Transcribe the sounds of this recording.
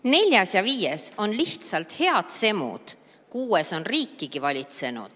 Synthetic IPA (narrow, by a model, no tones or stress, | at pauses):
ne̞lʲjɑsjɑviːje̞so̞nliht̪sɑlt̪he̞ɑd̪̥se̞mṵd̪̥ | kuːeso̞nriːkːiɡ̥ivɑlʲit̪se̞nṵd̪̥